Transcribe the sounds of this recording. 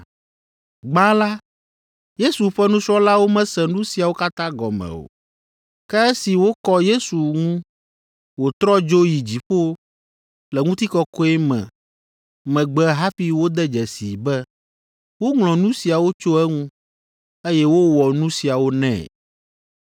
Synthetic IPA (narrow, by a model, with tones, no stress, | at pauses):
ɡ͡ba˦la˦ | je˦su˨ɸɛ˦nũ˦sɾɔ˦la˦wo˦mɛ̃˦sɛ̃˨nũ˦si˨a˨wo˦ka˦t̪ã˦ɡɔ̰˨mɛ̰̃˨o̰˨ | kɛ˦ɛ˦si˨wo˦kɔ˦je˦su˨ŋũ˦ | wo˨t̪ɾɔ˦d͡ʒo˦ji˨d͡ʑi˨ɸo˦ | lɛ˨ŋũ˦t̪i˦kɔ˦kɔ˦ɛ˦mɛ̰̃˨ | mɛ̃˨ɡ͡bɛ˨ɦa˦ɸi˦wo˦d̪ɛ˦d͡ʒɛ˨sḭ˨bɛ˦ | wo˦ŋlɔ̃˨nũ˦si˨a˨wo˦t͡ʃo˦ɛ˦ŋũ˦ | e˦jɛ˦wo˦wɔ˨nũ˦si˨a˨wo˦nɛ̰̃˦˨